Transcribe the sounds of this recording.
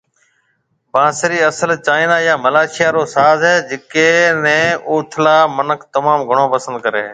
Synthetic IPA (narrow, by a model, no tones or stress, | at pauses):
bãːsəɾiːəsəlt͡ʃaːiːnaːjaːməlaːʃɪjaːɾoːsaːzɛːd͡ʒɪkeːnɛ̃ːoːʈʰlaːmənəkʰt̪əmaːmɡʱəɳ̃oːpəsənd̪̚kəɾḛː